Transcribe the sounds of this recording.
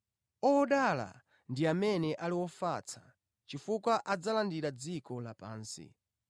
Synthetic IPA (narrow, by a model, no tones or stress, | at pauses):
ɔɔɗala̰ | ndiamɛnɛʔaliwɔfat͡sʰḁ | t͡ʃifukwaʔad͡zalandiɾad͡zikɔlapa̰ːnsḭ